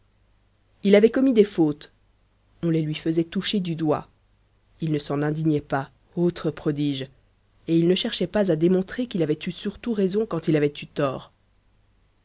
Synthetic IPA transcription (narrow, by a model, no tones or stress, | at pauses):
ilavɛkɔmid̪efot̪ | ɔ̃lelɥifəzɛt̪uʃed̪yd̪wa̰ | ilnəsɑ̃nɛ̃d̪iɲɛpa | ot̪χəpχɔd̪iːʒ | eilnəʃɛʁʃɛpazad̪emɔ̃t̪χekilavɛt̪ysyʁt̪uʁezɔ̃kɑ̃t̪ilavɛt̪yt̪ɔːʁ